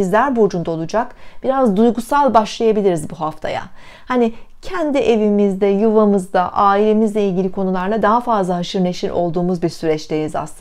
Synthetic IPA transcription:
izlʲæɾbod͡ʒund̪ao̞lˠud͡ʒakb̥iɾazd̪ujɡusalˠbaʃlˠajabilʲiɾizbuɦaft̪ʰa̰ja̰ | hanicʰɛnd̪iʔe̞vimizd̪ɛjuvamɯzd̪aʔaːilʲe̞mizlʲɛilʲɟʲilʲikʰo̞nulˠaɾlˠad̪aɦafazlˠaɦaʃɯɾne̞ʃinʔo̞̰lˠd̪uːmuzbiɾsyɾɛt͡ʃlʲeniza̰slɯ

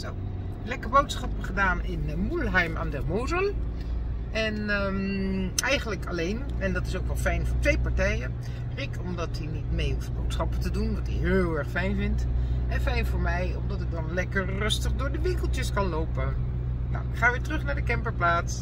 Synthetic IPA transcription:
so | lɛkəɹbowtsχɑpəχədaːnɪnmulɦɛjma̰ːndɛrmoːzəl | ɛnə | ɛjχənləkɑlejn | ɛndɑtɪsowkʋɛlˠfɛjnvʊːɹtʋejpaɹtɛjə | rɪkʰɔmdɑtinitmejuft̚bowtsχɑpətədunʋɑtiɦɪːlˠɛɹχfɛjnvɪntɛnfɛjnvʊːɹmɛjɔmdɑtɪk̚dɑnlɛkərːɵstəχdʊːɹdəʋɪŋkəlˠtjəskɑnlowpə | na̰wɪkχaːʋɪːɹtrɵχnaːɹdəkɛmpəɹplaːts

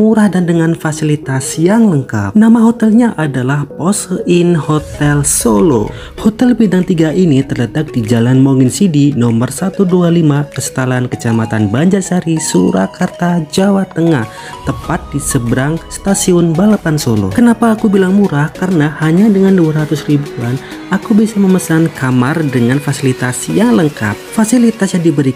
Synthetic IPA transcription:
muɾahdandəŋanfasilit̪asjaŋləŋka̰p̚namaɦot̪ɛlɲaʔadalahpɔsinhot̪ɛlsolo̰ | hot̪ɛlbidaŋt̪iɡaʔinit̪ərlət̪ak̚d̥id͡ʒalanmoŋinsidinɔmərsat̪udualimakəsə̥t̪alankət͡ʃamat̪anbaɲd͡ʒasaɾisṵɾa̰kart̪ad͡ʒawat̪əŋah | t̪əmpat̪̚disəbəɾaŋst̪asiʊnbalapansolo̰kənapaːkubilaŋmuɾahkaɾənahaɲadəŋanduaɾat̪ʊsribuan | akubisaməməsankamardəŋanfasilit̪asijaŋləŋka̰p̚fasilit̪asjadibəɾi

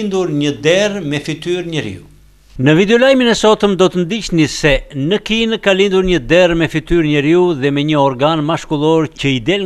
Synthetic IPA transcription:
nd̪uɾɲəd̪ɛrmɛfit̪yɾɲəɾḭu | nəvid̪ɛɔlajminɛsɔt̪əmd̪ɔt̪ənd̪it͡ɕnisɛnəkinkalind̪uɾɲəd̪ɛrmɛfit̪yɾɲəɾiuðɛmɛɲəɔɾɡanmaʃkulˠɔɾcəid̪ɛl

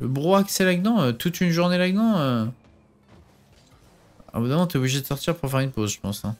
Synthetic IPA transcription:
ləbʁoaksɛlaɡnɑ̃øt̪ut̪ynʒuʁnelaɡnɑ̃ø | a̰vid̪amɑ̃t̪yɛobliʒed̪əsɔʁt̪iʁpuʁɑ̃fɛʁynpozʒə̥pɑ̃sɛ̃

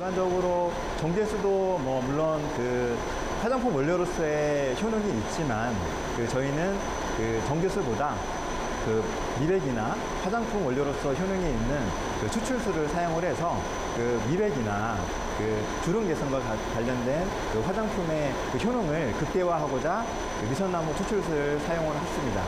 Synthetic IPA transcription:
and͡ʑʌɡɯɾo | t͡ɕʌŋɡesʰudomwʌmuɭːʌnkɯ | ɸwad͡ʑaŋpʰumwʌʎːʌɾos͈ʰʌeçjonoŋiːt̚t͡ɕ͈iman | kɯt͡ɕʌinɯn | kɯ | t͡ɕʌŋɡesʰuboda | kɯ | mibe̞ɡina | ɸwad͡ʑaŋpʰumwʌʎjʌɾos͈ʌçjonoŋiinːɯn | kɯt͡ɕʰut͡ɕʰuɭsʰuɾɯɭsʰajoŋɯɾɦe̞sʰʌ | kɯmibe̞ɡina | kɯ | t͡ɕuɾɯŋɡe̞sʰaŋɡwa | kwaʎːʌndwe̞n | kɯɸwad͡ʑaŋpʰume̞ | kɯçjonoŋɯɭkɯp̚t͈e̞waɦaɡod͡ʑa | kɯɥisʰʌnːamot͡ɕʰot͡ɕʰuɭs̬ʰɯɾɯɭsʰajoŋɯɾhas͈ɯmɲida̰

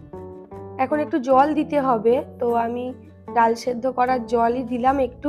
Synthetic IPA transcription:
ɛkʰonek̚ʈud͡ʑɔld̪it̪eɦɔbet̪oami | ɾalʃed̪ʱːokɔɾaɾd͡ʑɔlid̪ilamekʈu

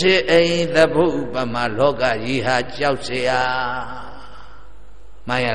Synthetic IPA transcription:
ɪʔẽt̪əboʔupamalɔkajiɦat͡ɕaʊʔsəja | mãja

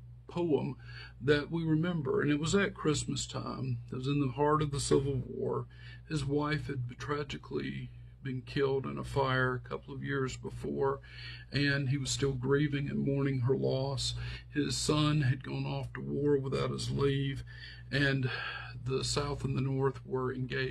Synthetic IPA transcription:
pʰoʊə̃m | ðɨt̚wiɹɨmɛ̃mbə̰˞ɨ̰̃nɨt̚wʌzɨt̚kʰɹ̥ɪsmɨstʰã̰ɪ̃mɨt̚wʌzɨ̃nðəhɑɹɾʌvðəsɪvl̩ˠwɔ̰ɹ | ɨzwaɪfhɨd̚tʰɹ̥æd͡ʒɨkʰlḭ | bɨ̃nkʰɪlˠɾɨ̰̃nə̰faɪə˞ɨkʰʌpl̩ˠʌvjɪɹzbəfɔɹ | ʔɨ̃niwʌz̥stɪlˠɡɹivɪ̃ŋɨ̰̃nmɔɹnɪ̃ŋə˞lɔshɪz̥sʌ̃nɨd̚ɡɔ̃ʊ̃nɔftəwɔɹwəθaʊɾ̚ɨzliv | ɨ̃nðəsaʊθə̃n̩ðɨnɔɹθwə˞ɨ̃nɡeɪ

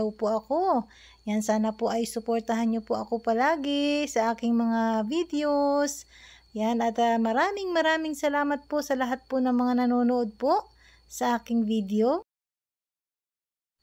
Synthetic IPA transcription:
ɐwpoʔɐko̞ | jɐnsaːnɐpoʔɐjsʊpoɾt̪ɐɦanɲopoʔɐko̞pɐlaːɡɪsɐʔaːkɪŋmɐŋavid̪ɛosjanɐt̪mɐɾaːmɪŋmɐɾaːmɪŋsɐlaːmɐt̪̚po̞sɐlɐɦat̪̚ponɐŋmɐŋanɐnoːnoʔod̪̚po̞ʔ | sɐʔaːkɪŋvid̪ɛo

